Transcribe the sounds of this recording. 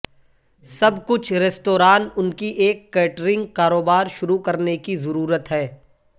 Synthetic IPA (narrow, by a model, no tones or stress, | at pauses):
sɐbkʊt͡ʃʰɾɛːsʈoːɾaːnʊnkiʔeːkːɛːʈɾɪ̃ŋɡkaːɾoːbaːɾʃʊɾukɐɾnekizɐɾuːɾət̪ɦɛː